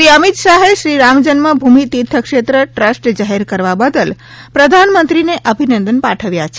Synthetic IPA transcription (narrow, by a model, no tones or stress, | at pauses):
ʃɾiəmit̪ʃaɦeʃɾiɾamd͡ʒənmãbʱumit̪it̪ʰːəkʃet̪ɾəʈɾəsʈd͡ʒaɦɛɾkəɾʋabəd̪əl | pɾəd̪ʱanmə̃nt̪ɾineʔəbʱinənd̪ənpaʈʰəʋjat͡ʃʰe